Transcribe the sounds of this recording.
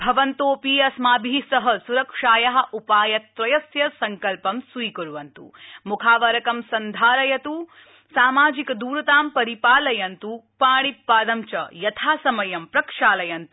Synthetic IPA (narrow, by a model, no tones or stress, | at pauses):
bʱɐʋɐnt̪oːpiːɐsmaːbʱiːsɐɦɐsuɾɐkʂaːjɐɦɐ̆ʔupaːjɐt̪ːʋɐjɐsjɐsɐŋkɐlpɐmswiːkɐɾuʋɐnt̪ṵmukʰaːʋɐɾɐkɐmsɐnd̪ʱaːɾɐjɐt̪u | saːmaːd͡ʒikɐd̪uːɾɐt̪aːmpɐɾipaːlɐjɐnt̪upaːɽipːaːd̪ɐmt͡ʃɐ̰jɐt̪ʰaːsɐmɐjɐmpɾɐkʂaːlɐjɐnt̪u